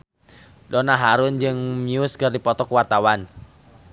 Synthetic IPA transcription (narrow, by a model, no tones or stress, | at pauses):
dɔnaɦaɾʊnd͡ʒɨŋmiʊskɨrdipɔt̪ɔkəwart̪awan